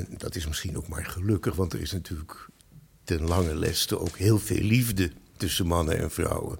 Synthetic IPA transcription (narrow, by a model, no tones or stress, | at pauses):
ɛndɑtɪsmɪsχino̰wkmaːɹχəlɵkəχʋɑntə̰rɪsnatyːlək | tɛnlɑŋəlɛ̰stəʔowkɦɪːlˠvḛːllivdətɵsəmɑnənɛ̰nv̥rɑ̰wə̰